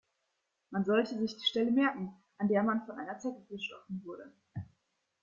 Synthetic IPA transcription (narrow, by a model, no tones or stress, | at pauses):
manzɔltəzɪçd̥iːʃtɛləmɛɐkŋ̩ | ʔandeːɐmanfɔnʔaɪnɐt͡sɛkəɡəʃtɔfn̩vʊɐdə